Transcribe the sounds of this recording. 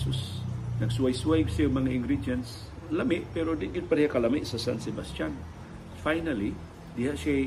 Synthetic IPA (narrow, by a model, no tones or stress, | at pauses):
susnɐɡswajsuwajɡsjamɐŋaʔɪŋɡɾidans | lamɪʔpɛɾod̪ɪʔɡɪd̪̚paɾɛhakɐlamɪʔsɐsansɛbast̪jan | fajnali | d̪ɪhaʔʃa